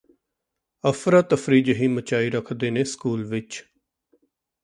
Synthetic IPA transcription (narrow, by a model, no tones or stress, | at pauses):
əfɾət̪əfɾiːd͡ʒɦiːmət͡ʃaːiːɾəkʰd̪eːneːskuːlʋɪt͡ʃ